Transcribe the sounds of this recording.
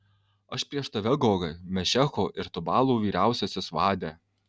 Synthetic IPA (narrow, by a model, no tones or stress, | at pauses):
ɐʃpʲɾʲiɛʃt̪ɐʋʲɛɡoːɡɐmʲɛʃʲɛxoːʔɪɾt̪ʊbɑːlˠuːʋʲiːɾʲæˑʊsʲɛsʲɪsʋɑːd̪ʲɛː